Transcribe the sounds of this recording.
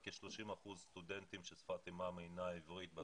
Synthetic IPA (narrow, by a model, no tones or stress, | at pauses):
keʃloʃimaχuzst̪ud̪ent̪imʃesfat̪imameinaivʁit̪̚ba